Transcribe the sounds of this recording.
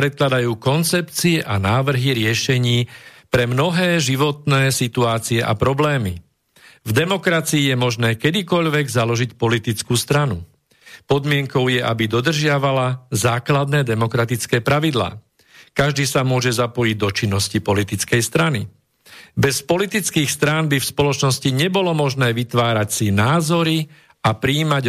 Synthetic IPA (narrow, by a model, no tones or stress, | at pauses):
pɾɛt̪̚klad̪ajuːkɔnt͡sɛpt͡siɛʔanaːʋr̩ɦiɾɪɛʃɛɲiːpɾɛmnɔɦɛːʒiʋɔt̪nɛːsit̪uaːt͡siɛʔa̰pɾɔblɛːmi | vd̪ɛmɔkɾat͡siːjɛmɔʒnɛːkɛd̪ikɔʎʋɛɡzalɔʒicpɔlit̪it͡skuːst̪ɾanu | pɔd̪mɪɛŋkɔʊjɛʔabid̪ɔd̪r̩ʒɪaʋalazaːklad̪nɛːd̪ɛmɔkɾat̪it͡skɛːpɾaʋid̪la̰ː | kaʒd̪iːsamʊɔʒɛzapɔjiɟ̚d̪ɔt͡ʃinːɔscipɔlit̪it͡skɛjst̪ɾani | bɛspɔlit̪it͡skiːxst̪ɾaːnbifspɔlɔt͡ʃnɔsciɲɛbɔlɔmɔʒnɛːʋit̪ʋaːɾacsinaːzɔɾi | apɾiːmaɟ